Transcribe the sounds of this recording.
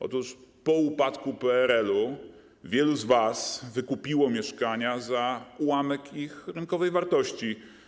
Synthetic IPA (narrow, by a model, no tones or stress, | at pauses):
ʔɔ̰t̪uʂpɔupat̪kupɛɛɾɛlu | vʲjɛluzvasvɘkupʲiwɔmʲjɛʂkaɲazawamɛkixɾɘŋkɔvɛjvaɾt̪ɔɕt͡ɕi